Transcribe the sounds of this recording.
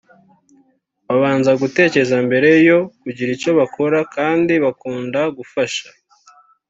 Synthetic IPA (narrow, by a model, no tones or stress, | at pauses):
βaβaːnzaɡute̞ːce̞zambe̞ɾe̞jo̞kuɟiɾico̞βakʰo̞ɾakaːndiβakuːndaɡufaʃḁ